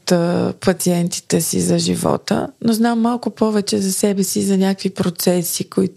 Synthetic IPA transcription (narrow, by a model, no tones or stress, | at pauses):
t̪pɐt̪siɛnt̪i̥t̪ɛsḭzɐʒivɔ̰t̪ə̰noznamːalˠkʊpɔvɛt͡ʃɛzɐsɛbɛsizɐnʲakvipɾot̪sɛsikoit̪